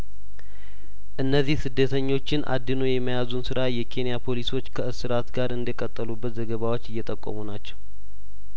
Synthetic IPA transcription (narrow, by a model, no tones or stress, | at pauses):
ʔɨnːəzːihsɨd̪ːət̪ʰəɲːo̞t͡ʃːɪnʔa̰d̪ːinojɛmːəjazunsɨɾajɛkʰe̞nijapʰo̞liso̞t͡ʃːkʰəɨsɨɾat̪ɡaɾɨnd̪əkʼət̪ʼːəlubːət̪zəɡəβawo̞t͡ʃːɪjːɛt̪ʼəkʼːo̰munat͡ʃːɛ̥w